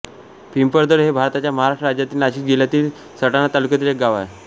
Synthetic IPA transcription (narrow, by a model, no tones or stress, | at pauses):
pimpəɾd̪əɽɦebʱaɾt̪at͡ɕjaməɦaɾaʂʈɾəɾad͡ʑjat̪iːlnaɕiːkd͡ʑiljat̪iːl | səʈanat̪alukjat̪̬iːlek̚ɡaʋae